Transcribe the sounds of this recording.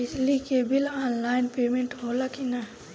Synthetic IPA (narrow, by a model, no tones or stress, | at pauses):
ɪslikeːbilaːnlaːɪnpeːmẽɳʈɦoːlakina